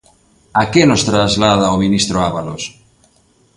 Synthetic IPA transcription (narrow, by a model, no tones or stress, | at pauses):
akenost̪ɾazlað̞aominist̪ɾoaβalos